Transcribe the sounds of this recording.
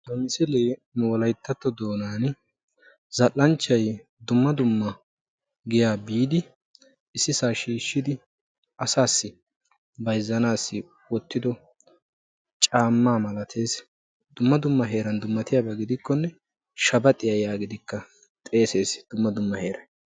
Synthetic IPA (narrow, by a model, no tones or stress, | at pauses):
d̪ɔmɪsɛleːmʊɔlɐjt̪ːɐt̪ːɔd̪o̞ːnaːn | zɐlːɐnt͡ʃːɐj | d̪ʊmːɐd̪ʊmːɐ | ɡɪjaːbiːd̪ɪ | ɪsːɪsaːʃiːʃːɪd̪ɪ | ʔɐsaːsːɪ | bɐjzːɐnaːsːɪ | wɔt̪ːɪd̪ɔ | t͡ʃʼaːmːaːmɐlɐt̪ʰe̞ːs | d̪̥ʊmːɐd̪ʊmːɐɦe̞ːɾɐnd̪ʊmːɐt̪ɪjaːbɐɡɪd̪ɪkːɔnːɛ | ʃɐbɐt̪ʼːɪjɐjaːɡɪd̪ɪkːɐ | t̪ʼe̞ːse̞ːsd̪̥ʊmːɐd̪ʊmːɐhe̞ːɾɐj